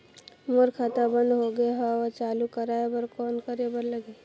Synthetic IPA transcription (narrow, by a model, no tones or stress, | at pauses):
moɾkʰat̪abə̃nd̪ɦoɡəeɦaɔt͡ʃaːlukəɾaːebəɾkɔːnkəɾebəɾləɡe